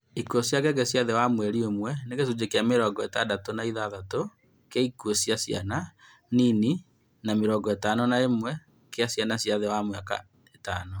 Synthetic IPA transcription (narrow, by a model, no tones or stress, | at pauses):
ikuosjaɡɛɡɛsjaðɛwamwɛɾiomwɛnekesud͡ʑekeameɾɔːɡɔetadatonaiðaðato | keikwosjasja̰na | nini | nameɾɔːɡɔetanɔnaemwɛ | keasjanasjaðɛwamwɛaka̰ | etaːnɔ